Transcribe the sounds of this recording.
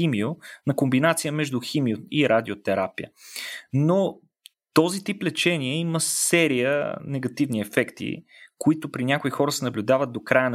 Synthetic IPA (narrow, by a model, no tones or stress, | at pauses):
imionɐkombinat̪sijəmɛʒd̪ʊximioiɾʔad̪iot̪ɛɾapijə̰no | t̪ɔzit̪iplɛt͡ʃɛniɛiməsɛɾijə̰nɛɡɐt̪ivniɛfɛkt̪ḭ | kʊit̪ʊpɾinʲakʊixɔɾəsɛnɐblʲʊd̪avət̪̚d̪okɾajən